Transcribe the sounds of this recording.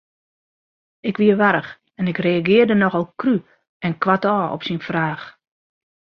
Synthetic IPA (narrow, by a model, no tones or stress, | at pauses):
ɪkʋiəʋaɾəx | ɛnɪkreaɡɪərdənɔxɔlˠkry | ɛnkwatɔːɔ̰psinfraːx